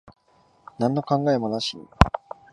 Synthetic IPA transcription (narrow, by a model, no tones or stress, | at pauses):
nãnːo̞kãŋɡae̞mo̞naɕḭ